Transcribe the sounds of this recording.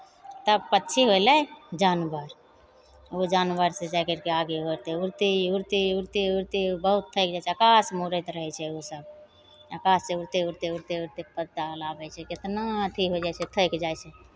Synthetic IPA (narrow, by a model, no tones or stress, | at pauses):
t̪əbpətːt͡ʃʰiɦojlɛd͡ʒanbəɾ | od͡ʒanbəɾsed͡ʒakəɾkeaɡeɦot̪ɛuɾt̪iuɾt̪iuɾt̪iuɾt̪ibəɦut̪ʰːəjkd͡ʒajt͡ʃʰɛəkasmuɾəjt̪ɾəɦɛt͡ʃʰɛosəb | əkasseuɾt̪euɾt̪euɾt̪euɾt̪epəd̪ːalabɛt͡ʃʰɛket̪nat̪ʰiɦod͡ʒajt͡ʃʰɛt̪ʰəjkd͡ʒajt͡ʃʰɛ